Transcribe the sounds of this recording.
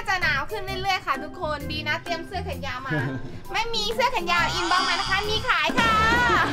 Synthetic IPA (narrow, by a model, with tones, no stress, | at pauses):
a˧˥˩t͡ɕa˧˩naː˩˦wkʰɯ˥˩nli˥˩lɯ˥˩əjkʰa˥˩t̪ʰu˦˥kʰːo˧nbiː˧naː˦˥t̪i˧əmsɯ˥˩əkʰa˨˩˦njaː˧maː˧ | ma˥˩jmiː˧sɯ˥˩əkʰa˨˩˦njaː˧m˧ʔi˧nbaː˧ŋma˧na˧˩kʰa˧˥˩miː˧kʰaː˨˦jkʰa˧˩˧